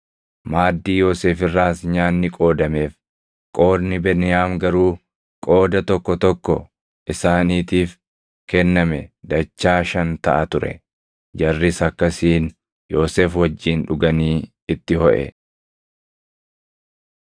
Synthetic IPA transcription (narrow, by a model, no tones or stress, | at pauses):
maːd̪ːiːjo̞ːseːfɪrːaːsɲaːnːɪkʼo̞ːd̪ɐme̞ːf | kʼo̞ːɾnɪbɛnɪjaːmɡɐɾuː | kʼo̞ːd̪ɐt̪ɔkːɔt̪ɔkːɔ | ʔɪsaːniːt̪iːf | kɛnːɐmɛd̪ɐt͡ʃːaːʃɐnt̪ɐʔɐt̪ʊɾɛ̰ | d͡ʒɐrːɪsɐkːɐsiːn | jo̞ːseːfwɐd͡ʒːiːnᶑʊɡɐniː | ɪt̪ːɪhɔʔɛ̰